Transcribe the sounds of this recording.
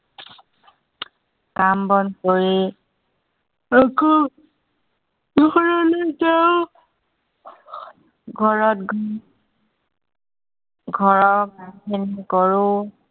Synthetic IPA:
kambɔnkoɹi | eku | ɡʱɔɹɔleteʊ | ɡʱɔɹɔtɡ | ɡʱɔɹɔkamkʰenikɔɹʊ

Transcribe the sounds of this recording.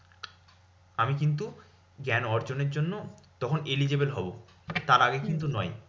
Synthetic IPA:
amikint̪̬u | ɡɛnɔɾd͡ʑoneɾd͡ʑonːot̪ɔkʰonelid͡ʑebelɦɔbo | t̪aɾaɡekint̪unɔj

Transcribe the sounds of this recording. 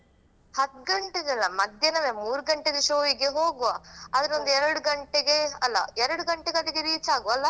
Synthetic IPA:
hɐt̪ːɡɐɳʈed̪ɐlːɐmɐd̪ʱjɐnɐʋemuːɾuɡɐɳʈed̪ɐʃoːʋiɡeɦoːɡuʋaɐd̪ɐɾond̪uɛɾɐɽuɡɐɳʈeɡeɐlːɐ̰ɛɾɐɽuɡɐɳʈeɡɐd̪ɐkːeɾiːt͡ʃaːɡuʋɐlːɐ

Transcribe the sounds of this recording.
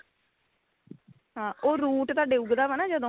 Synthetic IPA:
ɦãːʔoːɾuːʈt̪aːɖeːuɡd̪aːʋənãːd͡ʒəd̪õ

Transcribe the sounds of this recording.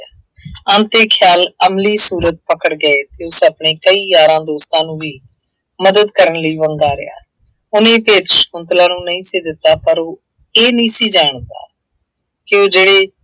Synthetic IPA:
ənt̪eːkʰjaːləmliːsuːɾət̪̚pəkəɽɡəeːt̪eːʊsəpɳeːkəiːjaːɾãːd̪oːst̪ãːnũːʋiː | məd̪əd̪kəɾənləiːʋəŋɡaːɾɪ̰ja̰ː | ʊnẽːpeːt̪ʃə̥kʊnt̪lãːnũːnəĩːseːd̪ɪt̪ːaːpəɾoː | eːnĩːsiːd͡ʒaːɳt̪a̰ː | kɪoːd͡ʒeːɽeː

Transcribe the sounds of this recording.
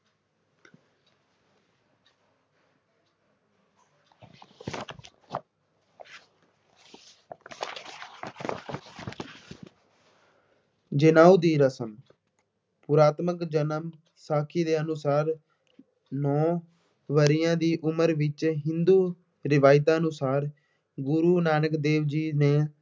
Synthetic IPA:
d͡ʒɪnaːuːd̪iːɾəsəm | pʊɾaːt̪məkd͡ʒənəm | saːkʰiːd̪eːənʊsaːɾ | nɔ̃ː | ʋəɾɪjãːd̪iːʔʊməɾʋɪt͡ʃɦɪnd̪uː | ɾɪʋaːɪt̪ãːənʊsaːɾ | ɡʊɾuːnaːnəkd̪eːʋd͡ʒiːneː

